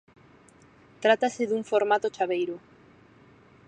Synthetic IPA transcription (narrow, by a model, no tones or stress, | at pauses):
t̪ɾat̪aseðuɱfoɾmat̪ot͡ʃaβejɾʊ